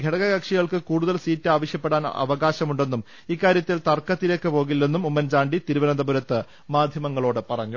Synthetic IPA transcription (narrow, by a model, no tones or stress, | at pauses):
ɡʱeɽɐɣɐɡɐkʂiɣɐɭkɨkuːɽuðɐlsiːtːɨaːʋɐɕjɐpːeɽaːn̰ɐ̰ʋɐɣaːɕɐmuɳɖe̞nːum | iːkːaːɾjɐt̪ːilt̪ɐrkːɐt̪ːiɾekːɨpo̞ːɣilːe̞nːumumːɐnd͡ʑaːɳɖit̪iɾuʋɐnɐnd̪ɐbuɾɐt̪ːɨ | maːd̪ʱjɐmɐŋːɐɭo̞ːɽɨpɐrɐɲːu